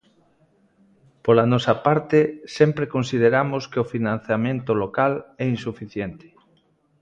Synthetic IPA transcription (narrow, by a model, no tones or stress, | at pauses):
polanɔsapaɾt̪ɪsɛmpɾekõnsið̞eɾamoskeofinãn̟θjamẽnt̪olokalɛinsufiθjent̪ɪ̥